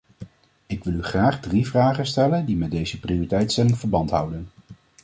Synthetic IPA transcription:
ɪkʋɪlˠyχraːχdrivraːχənstɛləndimɛt̚dejzəprioritɛjtstɛlɪŋvəɹbɑntɦʌwdən

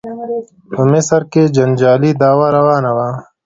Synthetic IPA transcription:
pɐmesɐɾked͡ʒɐnd͡ʒaːliːd̪aːwaːɾɐwaːnɐwaː

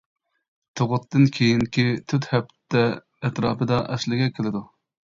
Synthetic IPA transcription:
t̪ʰoʁʊt̪ːɨnkʲʰejiŋkʲit̪ʰyt̪hɛp̚t̪ːɛ | ɛt̪ɾɑːpɨd̪ɑʔɛʃlɪɡʲɛkʲʰelɪd̪u

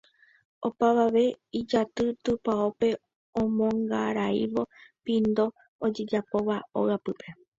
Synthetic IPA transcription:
o̞paʋaʋe̞id͡ʒat̪ɨt̪upaope̞ | õmõŋɡaɾaiʋo̞pĩnd̪o̞ | od͡ʒe̞d͡ʒapo̞ʋao̰ɣapɨpe̞

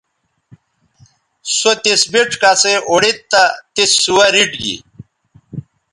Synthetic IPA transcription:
sot̪isbiʈkaseʔoɽit̪ːat̪isːuwɐɾiʈɡḭ

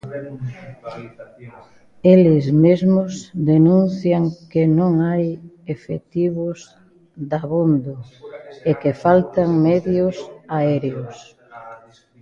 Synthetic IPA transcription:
elɪzmezmʊzd̪enũn̟θjaŋkenõŋaj | efet̪iβʊz | d̪aβond̪oekefalt̪aŋmɛðjʊsaɛɾeʊs

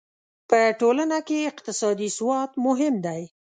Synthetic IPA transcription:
pəʈolanakeːq̚t̪ɪsɑd̪iswɑt̪mʊɦɪmd̪aj

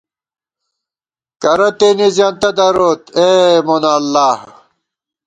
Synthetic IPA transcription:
kɐɾɐt̪enizjãːnt̪ɐd̪ɐɾoːt̪emonaːlːaːh

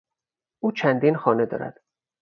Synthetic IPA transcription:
ʔuːt͡ʃʰænd̪iːnxɒːne̞d̪ɒ̰ːɾæ̰d̪̥

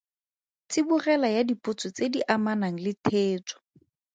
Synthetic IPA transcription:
t͡sʰɪbʊrɛlajadipʊt͡sɔt͡sediʔamanaŋ̩lɪtʰeːt͡sɔ̥

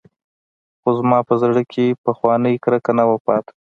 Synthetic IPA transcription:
xozmɑpəzɽəkʰepəxwɑnəjkɾəkanawəpɑt̪

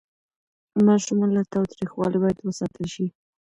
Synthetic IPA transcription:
mɑʃumɑnlat̪ɑwt̪ɾixwɑ̰libɑjad̪wəsɑt̪əlʃi

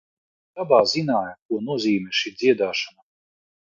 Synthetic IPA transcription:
t̪abaːzinaːjakuɔnuɔziːmʲɛʃiːd̪ziɛd̪aːʃana

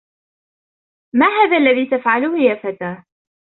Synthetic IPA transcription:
maːɦaːðaːlːaðiːt̪afʕalʊhɪjafat̪aːh

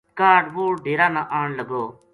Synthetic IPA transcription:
kaːɖʋoːɖʱeːɾãːnãːʔaːɳləɡoː

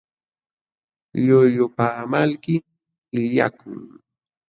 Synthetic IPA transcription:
ʎʊʎʊpaːmalkɪ | ɪʎa̰kʰʊ̰ŋ

